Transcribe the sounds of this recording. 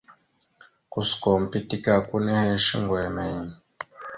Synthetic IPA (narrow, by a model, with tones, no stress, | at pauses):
ku˨skɔ˨m̩˨pi˦ti˦ka˦˨ku˦nɛ˦hɛ˦ʃi˦ŋɡwɛ˨mɛ˨i˨n˨